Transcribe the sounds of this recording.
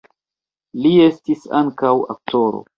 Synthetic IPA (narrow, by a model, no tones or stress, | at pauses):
lie̞stisa̰ŋkawa̰k̚to̞ɾo̞̰